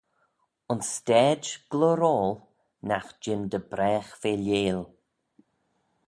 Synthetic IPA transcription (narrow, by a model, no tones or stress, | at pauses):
ʊnstɛːd͡ʒɡ̥ləɾɔːl | naxd͡ʒɪnd̪əbɾɛːxveːljeːl